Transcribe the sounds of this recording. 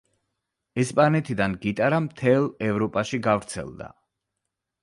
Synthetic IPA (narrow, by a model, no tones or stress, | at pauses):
ɛspʼanɛt̪ʰid̪anɡit̪ʼaɾamt̪ʰɛlˠɛvɾɔpʼaʃiɡavɾt̪sʰɛ̰lˠd̪a̰